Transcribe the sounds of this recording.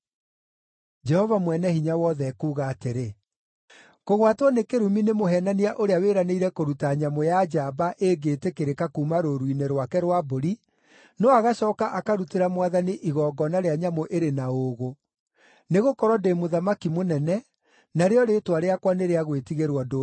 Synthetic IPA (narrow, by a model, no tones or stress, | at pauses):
d͡ʒɛhɔvamwɛnɛhiɲawɔðɛkuːɣaːteɾe | koɣwatwɔnekeɾuminemoɦɛnaniaʔoɾeaweɾaneiɾɛkoɾutaɲamojad͡ʒabaʔeɡeːtekeɾekakuːmaɾoɾwineɾwakɛɾwaboɾi | nɔaɣaɕɔːkaʔakaɾuteɾamwaðaniʔiɣɔːɡɔnaɾeaɲamoʔeɾenaoɣo | neɣokɔɾwɔdemoðamakimonɛnɛ | naɾeɔɾetwaɾeakwaneɾeaɣwetiɣeɾwado